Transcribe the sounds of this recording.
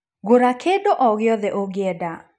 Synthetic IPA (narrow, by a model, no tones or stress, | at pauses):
ɡoɾakʰedoʔɔɣɪɔðɛʔoɡɪɛda